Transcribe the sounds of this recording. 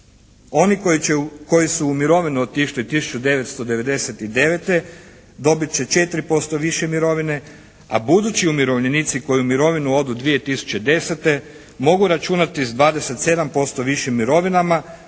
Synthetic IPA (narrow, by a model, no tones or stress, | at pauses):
o̞nikko̞jisuːmiɾo̞ʋinuod̪̚t̪iʃlit̪isu̥t͡ʃud̪e̞ʋet̪st̪o̞d̪e̞ʋe̞d̪e̞se̞t̪id̪e̞ʋe̞t̪e̞ | d̪o̞bit̪̚t͡ɕe̞t͡ʃe̞t̪ɾipo̞st̪o̞ʋiʃemiɾo̞ʋine̞ | a̰bud̪ut͡ɕiumiɾo̞ʋʎenit̪siko̞jiumiɾo̞ʋinuo̞d̪ud̪ʋije̞t̪isu̥t͡ɕe̞d̪e̞se̞t̪e̞ | mo̞ɡuɾat͡ʃunat̪izd̪ʋaːd̪ese̞t̪se̞d̪ampo̞st̪oʋiʃimːiɾo̞ʋinama